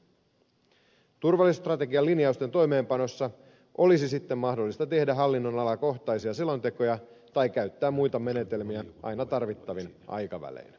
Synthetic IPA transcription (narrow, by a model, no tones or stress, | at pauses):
t̪urʋɑlːˑist̪rɑt̪e̞ɡiɑlːiniɑust̪e̞nt̪o̞jme̞ːmpɑno̞sːɑ | ʔo̞lisisit̪ːemːɑhdo̞lːist̪ɑt̪e̞hdæɦɑlːinːo̞nɑlɑko̞ht̪ɑjsiɑselo̞nt̪e̞ko̞jɑ | t̪ɑjkæɥt̪ːæːmmujt̪ɑme̞ne̞t̪e̞lmiæʔɑ̰jnɑt̪ɑrʋit̪ːɑʋinʔɑ̰jkɑʋæ̰lḛːn